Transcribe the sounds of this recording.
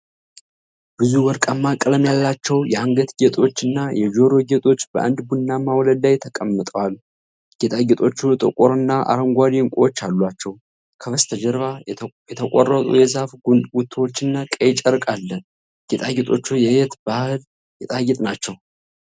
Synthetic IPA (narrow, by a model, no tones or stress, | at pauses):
b̥ɨzuwɔɾkʼamːakʼləmjalːat͡ʃːɛwjɛaŋɡət̪ɡet̪ʼo̞t͡ʃːɨnːajɛd͡ʒo̞ɾo̞ɡet̪ʼo̞t͡ʃːbəʔa̰nd̪bunːamawləd̪ajt̪ʰəkʼəmːɨt̪ʼəwal | ɡ̥et̪ʼaɡɛt̪ʼo̞t͡ʃːut̪ʼəkʼoɾɨnːaʔa̰ɾəŋɡʷad̪iŋkʷʼot͡ʃːalːwat͡ʃːɛw | kʰəβəst̪ʰəd͡ʒɛɾβajɛt̪ʰəkʷʼo̰rːət̪ʼṵjɛzafɡut̪ʰːwot͡ʃːɨnːakʼɛjt͡ʃʼəɾkʼalːə | ɡ̥et̪ʼaɡet̪ʼo̞̰t͡ʃːujɛjɛt̪bahɨl | jɛt̪ʼaɡɛt̪ʼnat͡ʃːɛw